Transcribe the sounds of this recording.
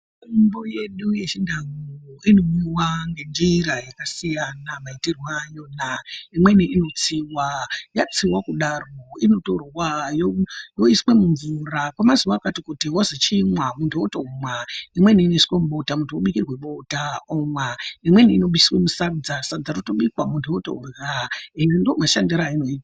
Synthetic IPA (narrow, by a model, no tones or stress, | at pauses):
mboje̞ɗujet͡ʃindaŋoino̞iwaŋɡe̞nd͡ʒiiɾajakasijanamaitirwaːjonaimwe̞niʔino̞t͡siwajat͡siwakuɗaroino̞to̞rwajojo̞iswe̞muɱvurakwamazuwaːkatikutiwozet͡ʃimwamuntʰuotoomwaimwe̞niːneswemuɓo̞tamuntʰuoɓikirwe̞ɓo̞taomwaimwe̞niːno̞ɓiswemusarud͡zasaud͡zarotoɓikwamuntʰuoto̰raendoomaʃandiɾainoita